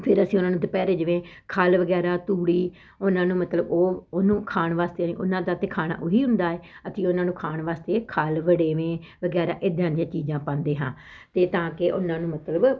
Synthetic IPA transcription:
pʰɪɾəsĩːʊnaːnũːd̪epɛːɾeːd͡ʒəʋẽː | kʰaːlʋəɡɛːɾaːt̪uːɽiː | ʊnãːnũːmət̪ləboːnũːkʰaːɳʋaːst̪eːnḭ̃ːʔʊ̰nãːd̪aːt̪eːkʰaːna̰ːʔʊiːɦʊ̃nd̪aːeːət̪iːʊnãːnũːkʰaːɳʋaːst̪eːkʰaːlʋəɽeːʋẽːʋəɡɛːɾa̰ːʔɪd̪ãːnjãːt͡ʃiːd͡ʒãːpãːnd̪eːɦãː | t̪eːt̪ãːkɪʔʊ̰nãːnũːmət̪ləb

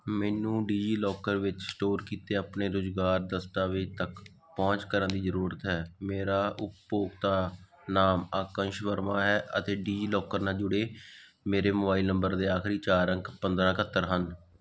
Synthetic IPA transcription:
mɛːnũːɖiːd͡ʒiːlɔːkəɾʋɪt͡ʃsʈoːɾkiːt̪eːaːpneːɾʊzɡaːɾd̪əst̪aːʋet̪ək | pɔ̃ːɲt͡ʃkəɾənd̪iːzəɾuːɾət̪ɦɛːmeːɾaːʔʊppoːɡt̪aː | naːmaːkə̃ŋʃʋəɾmãːɦɛːʔət̪eːɖiːd͡ʒiːlɔːkəɾnãːd͡ʒʊɽeː | meːɾeːmʊbaːilnəmbəɾd̪eːaːkʰɾiːt͡ʃaːɾə̃ŋkpənd̪ɾãːkʰət̪ːəɾɦən

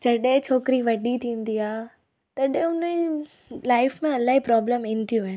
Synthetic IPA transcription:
d͡ʑɐɗɪ̃t͡ɕʰoːkɾiʋɐɗit̪ʰĩːn̆d̪iaː | t̪ɐɗɪ̃ʊnə | laːɪfmẽɐlaːɦipɾɔːbləmɪ̃nɪ̆t̪ʰijũn

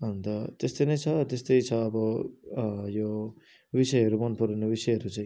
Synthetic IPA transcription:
ʌnnt̪ʌt̪est̪ojnʌjt͡sʰʌt̪est̪ʌjt͡sʰʌːbʌ | jo | bisʌjɦʌɾumʌnpuɾʌnebisʌjɦʌɾut͡saj̃

